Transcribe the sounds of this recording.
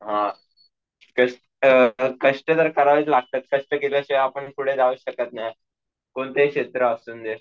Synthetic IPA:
ɦã | kəʂʈ | kəʂʈət̪əɾkəɾaʋet͡slaɡ̚t̪at̪̚kəʂʈəkeləɕeapəɳkuɽ̤ed͡zaʋuɕəkət̪̚naɦj | koɳt̪ekɕet̪ɾəəsuːnd̪e

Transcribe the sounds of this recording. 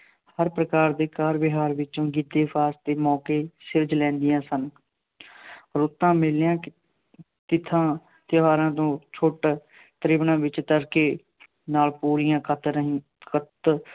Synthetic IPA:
həɾpɾəkaːɾd̪eːkaːɾbɪɦaːɾʋɪt͡ʃõːɡɪd̪ːeːpʰaːst̪eːmɔːkeːsɪɾd͡ʒlɛ̃ːnd̪ɪjãːsən | ɔːɾʊt̪ːãːmɪljãː | t̪ɪt̪ʰãː | t̪ɪɦaːɾãːt̪õːt͡ʃʰʊʈ | t̪əɾɪʋnãːʋɪt͡ʃt̪əɾkeː | naːlpuːɾijãːkət̪ | kət̪

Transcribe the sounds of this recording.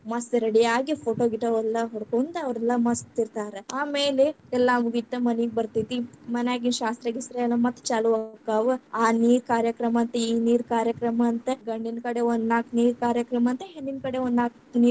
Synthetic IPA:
mɐsɾɐɽijaːɡipʰoːʈoːɡiʈɐʋɛlːɐɦoɽkont̪ɐɐʋɾɛlːɐmɐst̪iɾt̪aːɾeaːmeːle | ɛlːɐmuɡit̪ːɐmɐniɡ̚bɐɾt̪it̪imɐnaːɡinʃaːst̪ɾɐɡisɾɐɐlɐmɐt̪ːt͡ʃaːluʋɐkaːʋɐaːniːɾkaːɾjɐkɾɐmɐːnt̪ɐiːniːɾkaːɾjɐkɾɐmɐːnt̪ɐɡɐɳɖinkɐɽeond̪naːkniːɾkaːɾjɐkɾɐmɐnt̪ɐɦenːinkɐɽeond̪naːk | niː

